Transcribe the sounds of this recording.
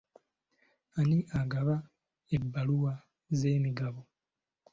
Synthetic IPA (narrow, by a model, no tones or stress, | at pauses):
aniʔaɡaβa | ebːaluwa | zeːmiɡaβo